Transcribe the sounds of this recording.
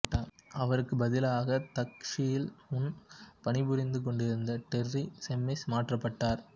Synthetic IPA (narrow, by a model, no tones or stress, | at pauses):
ʈːaːɐʋɐɾɯkːɯbɐðɪlaːɣɐt̪ɐkʂɪjɪlʊnpɐnɪbʊɾɪnd̪ɯk̬ɔɳɖɪɾɯnd̪ɐʈ̪ɛrːisɛmːɪsmaːʈrɐpːɐʈːaːɾ